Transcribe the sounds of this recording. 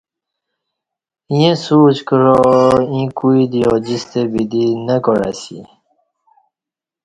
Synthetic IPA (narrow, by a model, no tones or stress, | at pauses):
jẽsuːt͡ɕkəɾoĩkuid̪ijod͡ʑist̪ebid̪inəkoɾa̰sḭ